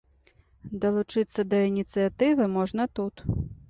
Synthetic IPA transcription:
d̪ɐlˠut͡ʂɨt̪sːɐd̪ɐinʲit̪sɨjat̪ɨvɨmɔʐnɐt̪ut̪

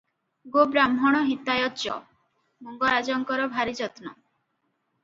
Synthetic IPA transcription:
ɡobɾamɦɔɽ̃ɔɦit̪ajɔtt͡ʃɔ̰ | muŋɡɔɾad͡ʒɔŋkɔɾɔbʱaɾid͡ʒɔt̪nɔ

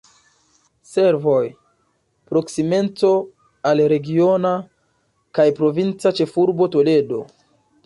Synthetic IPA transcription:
se̞ɾvo̞j | pɾo̞ksime̞nt͡so̞ | alɾe̞ɡio̞na | kajpɾo̞vint͡sat͡ʃe̞fuɾbo̞to̞le̞do̞̰

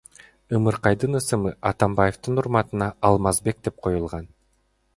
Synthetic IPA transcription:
ɯmɯɾqɑjd̪ɯnɯsɯmɯʔɑt̪ɑmbajeft̪ɯnuɾmɑt̪ɯnɑɑlˠmɑzbe̞k̚d̪e̞p̚qʰo̞julˠʁɑn

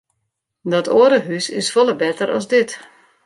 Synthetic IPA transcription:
dɔtʰoəɾəɦysɪ̰sfolˠəbɛtəɾɔ̰sdɪt

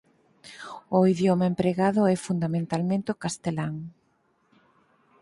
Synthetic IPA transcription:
ʊiðjomaempɾeɣaðʊɛfund̪amẽnt̪almẽnt̪ɪʊkast̪elaŋ

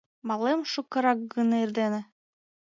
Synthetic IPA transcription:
mɑlˠemʃukːɤ̆ɾɑk̚ɡɯnɤiɾd̪enɘ̆

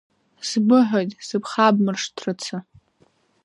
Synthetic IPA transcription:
sbɨħʷᶣojtʼsɨpʰχabmɨrʂtʰrɨt͡sʰɨ

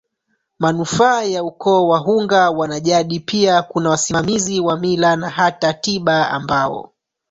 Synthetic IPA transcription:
manufaːjaukɔːwaɦuŋɡawanaʄaɗipiakunawasimamiziwamilanaɦatatiɓaa̰mbaɔ̰

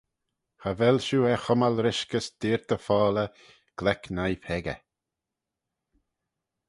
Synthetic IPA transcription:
havɛlʃuːɛxɔmalɾɪʃkəsd̪̥ɪːɾt̪ʰəfɔːlə | ɡ̥lɛknajpʰɛɡə̰

